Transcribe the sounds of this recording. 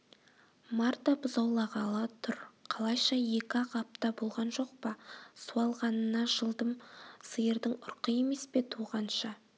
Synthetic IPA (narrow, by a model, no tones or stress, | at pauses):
mɑɾt̪ɑbʊzɑwlˠɑʁɑlˠɑt̪ʰʊɾqʰɑlˠɑjʃɑje̞kʲɑqɑp̚t̪ɑbo̞lˠʁɑnʒo̞qpɑsuɑlˠʁɑnənɑʒəlˠd̪əmsəjəɾd̪əŋʊɾqəje̞me̞spe̞t̪ʰuʁɑnʃɑ